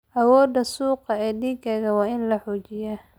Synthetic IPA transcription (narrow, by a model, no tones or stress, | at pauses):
ʔɐwɔːd̪ɐsuːqɑɛːd̪iːɡɐɣɐwɑːɪnlɐħuːt͡ʃɪjɛ